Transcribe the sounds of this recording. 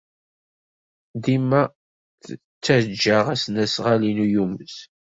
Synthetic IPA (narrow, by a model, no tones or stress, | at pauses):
ðimæ | t͡sːæd͡ʒːaʁæsnæsʁalinujuməz